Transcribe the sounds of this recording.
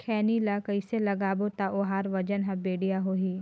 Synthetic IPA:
kʰɛːnilakəɪselɐɡaːbot̪aʔoɦaːɾʋɐd͡ʒənɦɐ̃beːɽijaɦoːɦiː

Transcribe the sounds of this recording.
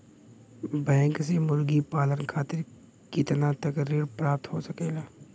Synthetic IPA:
bɛ̃ːŋksemʊɾɡipaːlənkʰaːt̪ɪɾ | kɪt̪nat̪ɐkɾiːɾpɾaːp̚t̪ɦoːsɐkeːɡaː

